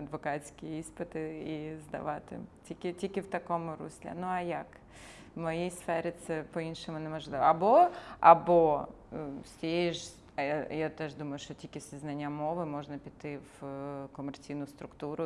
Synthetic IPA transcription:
ɐd̪ʋɔkasʲkʲɪjispɨt̪ɪizd̪ɐ̰ʋat̪ɪ̰tʲikʲɪtʲikʲɪwt̪ɐkomʊɾṵsʲlʲɛ̰nuɐjak | vmɐjijsfɛɾɪt̪sɛpɔinʃɨmʊnɛmɐʐlˠɪʋɐ̰ɐboɐ̰bo | sʲeɪʒ | jat̪ɛʐd̪umɐjʊʂt̪ɔtʲikʲɪsʲɪznanʲɐmoʋɨmɔʐnɐpʲit̪ɪvkɔmɛrt͡sʲinʊst̪ɾʊkt̪uɾʊ

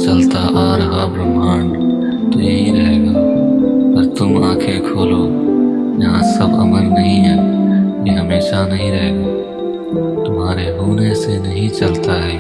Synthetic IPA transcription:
t͡ʃɐlt̪aʔaːɾɦaːbɾəmaːɳ | t̪ojeɦiɾɐɦeːɡo | pɐɾt̪ʊmãːkʰekʰoːloː | jɐɦãsəbəməɾnɐɦĩɦɛːiɦəmeːʃanɐɦĩɾɐɦeːɡoː | t̪ʊmaːɾeɦuːnesenɐɦĩt͡ʃɐlt̪aɦɛː

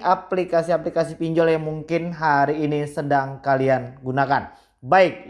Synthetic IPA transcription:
ʔaplikasiaplikasipiɲd͡ʒɔljaŋmuŋkɪnɦaɾiːnisədaŋkalianɡunakan | baɪk̚

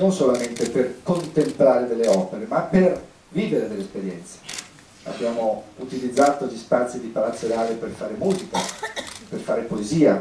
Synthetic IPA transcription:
nonsolament̪eperkont̪emplaːɾed̪elːeɔːpeɾemapːer | viːveɾed̪elːespeɾjɛnt̪se̥ | a̰bːjaːmout̪ilid̪zːaːt̪oʎist̪ant̪sid̪ipalat̪sːeɾaːleperfaːɾemuːzikaperfaːɾepoeziːa

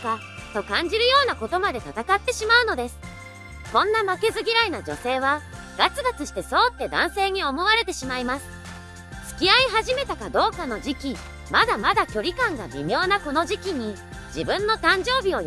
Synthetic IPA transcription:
ka | t̪o̞kãɲ̟d͡ʑiɾɯ̟jo̞ːnako̞t̪o̞mad̪e̞t̪at̪akat̪ːe̞ɕimaɯ̟no̞d̪e̞sɨ̥ | kõ̞nːamake̞zɨɡʲiɾainad͡ʑo̞̰se̞ːβ̞a | ɡ̥at͡sɨɡat͡sɨɕi̥t̪e̞so̞ːt̪ːe̞d̪ã̰ɰ̃se̞ːɲ̟io̞mo̞βaɾe̞t̪e̞ɕimaimasɨ̥ | t͡sɨ̥kʲiaiɦaʑime̞t̪akad̪o̞ːkano̞d͡ʑikʲi | mad̪amad̪akʲo̞ɾʲikãŋɡa̰bʲḭmʲo̞ːnako̞no̞ʑikʲiɲ̟i | d͡ʑibɯ̟̃nːo̞t̪ãɲ̟d͡ʑo̞ːbʲio̞j

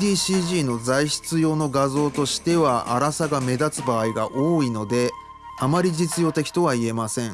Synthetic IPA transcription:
d̪iːɕiːʑiːno̞zaiɕi̥t͡sɨjo̞ːno̞ɡazo̞ːt̪o̞ɕi̥t̪e̞βaʔa̰ɾasaɡame̞d̪at͡sɨbaːiɡaʔoːino̞d̪e̞ | amaɾʲiʑit͡sɨjo̞ːt̪e̞kʲi̥t̪o̞β̞aie̞masẽ̞ŋ

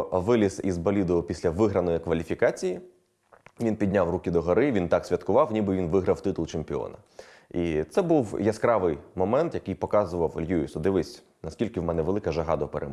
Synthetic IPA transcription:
ʋɪlʲisizbɐlʲid̪ʊpʲisʲlʲɐʋɪɦɾɐnɔjikʋɐlʲifʲikɑt͡sʲiji | ʋʲinpʲid̪ʲnʲawrukʲɪd̪ɔɦɐɾɪʋʲint̪ɑksʲʋʲɐt̪kʊʋɑwnʲibɪʋʲinʋɪɦɾɐwt̪ɪt̪ʊlˠt͡ʃempʲɪɔ̰nɐ̰ | it̪sɛbuwjɐskɾɑʋɪjmɔmɛnt̪jɐkɪjpɔkɑzʊʋɐwlʲjuisɔd̪ɪʋɪsʲ | nɐskʲilʲkɪwmɛnɛʋelˠɪkɐʒɐɦɑd̪ɐpeɾḛm

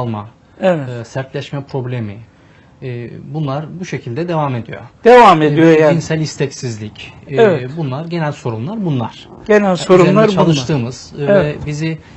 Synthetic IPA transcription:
lˠma | evɛɯsæɾt̪lʲɛʃmɛpɾo̞blʲe̞miː | bunlˠaɾbuʃe̞cʰilʲd̪ɛd̪e̞vame̞d̪ijo̰d̪̥evamed̪ijojainsælʲist̪ʰɛcsizlʲicvɛbunlˠaɾɟe̞nælʲso̞ɾumlˠaɾbunlˠaɾ̥ɟ̥enælʲsoɾumlˠaɾt͡ʃʰalˠɯʃt̪ʰɯːmɯz̥vɛbizi

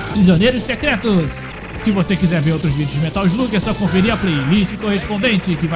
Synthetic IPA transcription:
pɾizonejɾʊʃsekɾɛt̪ʊsː | ɪvosekizɛɾveɾowt̪ɾʊzvid͡ʒjʊzmẽt̪awz̬lukesɔkõfeɾiɐplelisɪkohespõnd̪ẽnt͡ʃɪkɪva

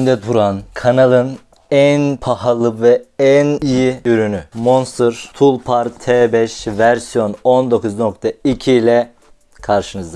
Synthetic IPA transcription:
nd̪ɛt̪ʰuɾankʰanalˠɯn | ænpʰahalˠɯvɛɛnijiyɾynymonsɯɾt̪ʰulˠpʰaɾt̪ʰɛːbɛʃvæɾsijo̞no̞nd̪o̞kuzno̞kt̪ʰaicʰilʲɛ | kʰaɾʃɯnɯzd̪a

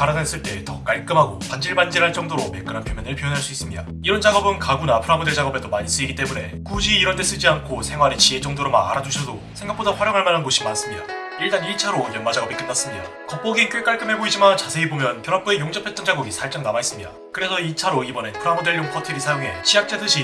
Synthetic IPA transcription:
kaɾanes͈ɯɭt͈e̞tʌk͈aɭk͈ɯmɦaɡopand͡ʑiɭband͡ʑiɾɦaɭt͡ɕ͈ʌŋdoɾome̞k͈ɯɾɦanpjʌmjʌnɯɭpijʌnɦaɭs͈uis͈ɯmɲida | iɾʌnd͡ʑaɡʌbɯnkaɡunapʰɯɾamodeɭd͡ʑaɡʌbe̞domaɲis͈ɯiɡit͈e̞mune̞ | kud͡ʑiiɾʌnt̬͈ʰe̞s͈ɯd͡ʑiankʰosʰe̞ŋwaɾet͡ɕie̞t͡ɕ͈ʌŋdoɾomana̰ɾad͡ʑuɕʰʌsʰo | sʰe̞ŋɡakp͈odaɸwaɾjʌŋɦaɭmanɦanɡoɕʰimans͈ɯmɲida̰ | iɭt͈aniɭt͡ɕʰaɾojʌnmad͡ʑaɡʌbik͈enːas͈ɯmɲida̰ | kʌp͈oɡink͈ɥek͈aɭk͈ɯmɦe̞boid͡ʑimant͡ɕasʰe̞ibomjʌnkjʌɾʌp͈ʰuejoŋd͡ʑʌpʰe̞t̚t͈ʌnd͡ʑaɡoɡisʰaɭt͡ɕ͈aŋnamais͈ɯmɲida̰ | kɯɾe̞sʰʌit͡ɕʰaɾoibʌne̞pʰɯɾamode̞ɭːoŋpʰʌtʰɯɾisʰajoŋɦe̞̰t͡ɕʰiak̚t͡ɕ͈adɯɕʰi

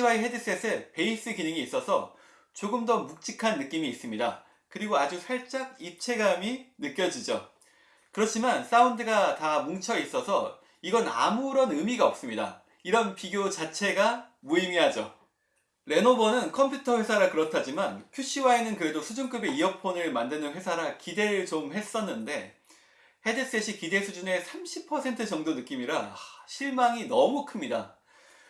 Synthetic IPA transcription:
iwaiɦe̞dis͈es͈ʰepe̞is͈ɯkinɯŋiːs͈ʌsʰʌ | t͡ɕoɡɯmdʌmuk̚t͡ɕ͈ikʰanːɯk͈imiːs͈ɯmɲida̰ | kɯɾiɡoad͡ʑusʰaɭt͡ɕ͈aɡ̚ip̚t͡ɕʰe̞ɡaminɯk͈jʌd͡ʑid͡ʑo̰ | kɯɾʌt͡ɕʰimans͈aundɯɡatamuŋt͡ɕʰʌis͈ʌsʰʌ | iɡʌna̰muɾʌnɯmiɡaʌp̚s͈ɯmɲida̰ | iɾʌnpiɡjot͡ɕat͡ɕʰe̞ɡa | muimiɦad͡ʑo | ɾe̞nobʌnɯnkʰʌmpʰjutʰʌɸwe̞sʰaɾakɯɾʌtʰad͡ʑimanpʰjuɕ͈iwaenɯnkɯɾe̞dosʰud͡ʑunk͈ɯbe̞iʌpʰonɯɭmandɯnɯnɸwe̞sʰaɾakide̞ɾɯɭt͡ɕomhe̞s͈ʌnːɯnde̞ | he̞des͈eɕʰikide̞sʰud͡ʑune̞sʰamɕʰipʰʌsʰe̞ntʰɯt͡ɕʌŋdonɯk͈imiɾaɕʰiɭmaŋinʌmukʰɯmɲida̰

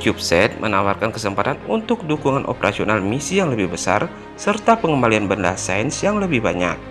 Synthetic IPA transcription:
t͡ʃup̚sɛt̪̚mənawarkankəsəmpat̪anunt̪ʊk̚dukuŋanʔo̰pəɾʔasionalmisijaŋləbɪhbəsa̰r | sərt̪apəŋəmbalianbənda̰saənsjaŋləbɪhbaɲa̰k̚

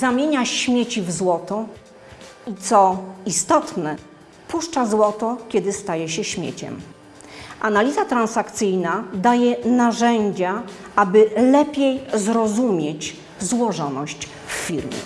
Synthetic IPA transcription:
zamʲjeɲaɕmʲjet͡ɕivzwɔt̪ɔ | it̪sɔist̪ɔt̪nɛ | puʂt͡ʂazwɔt̪ɔkʲɛd̪ɘst̪ajɛɕɛɕmʲjḛt͡ɕɛ̰m | ʔanalʲizat̪ɾansakt̪sɘjnad̪ajɛnaʐɛɲd͡ʑa | abɘlɛpʲjejzɾɔzumʲjet͡ɕ | zwɔʐɔnɔɕt͡ɕ | fːʲiɾmʲjɛ̰

